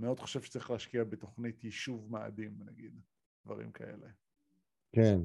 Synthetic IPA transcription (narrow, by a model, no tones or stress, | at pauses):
meo̞d̪χoʃevfʃe̥t͡saʁiχlehaʃkiabet̪o̞χnitjiʃuvma̰ːdimnaɡid̪ | d̪̥vaʁḭmkʰaʔḛle | ken